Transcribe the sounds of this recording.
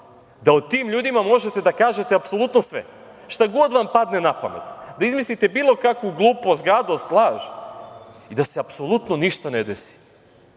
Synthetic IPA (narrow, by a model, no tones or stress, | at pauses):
d̪aot̪iːmʎuːd̪imamo̞ʒet̪e̞d̪akaːʒe̞t̪eapsolˠut̪nosʋḛ | ʃt̪aɡo̞d̪ʋampad̪nenapa̰mḛt̪d̪aizmislit̪e̞biːlˠo̞kakʋuɡlˠuːpost̪ɡɾad̪o̞st̪lˠaːʒ | id̪aseapso̞lˠut̪noniʃt̪aned̪esi̥